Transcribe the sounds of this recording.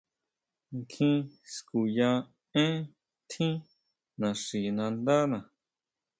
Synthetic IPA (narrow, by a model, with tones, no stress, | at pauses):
ŋkʰĩ˦sku˨jã˧ | ẽ˦ | t̪ʰĩ˦ | nã˨ʂi˨nã˧nd̪a˦nã˨